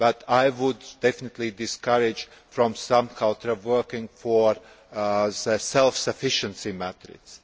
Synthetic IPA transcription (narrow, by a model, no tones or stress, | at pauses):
b̥at̪ʰaɪwʊdːɛfɪnɨt̪lid̪ɪskaɾɪd͡ʒ | fɾɔ̃msãmkʰalˠtəwɜ˞kɪ̃ŋɡfɔɹ | zəsɛlˠfsəfɪʃə̃nsimæt̪ɾɪ̰ds